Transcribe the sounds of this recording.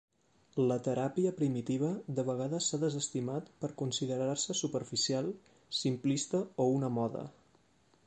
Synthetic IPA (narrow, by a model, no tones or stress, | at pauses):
lət̪əɾapiəpɾimit̪iβ̞əd̪əβəɣ̞aðəsːaðəzəst̪imat̪pəɾkunsiðəɾarsəsupəɾfisialˠ | simplist̪əounəmɔðə̰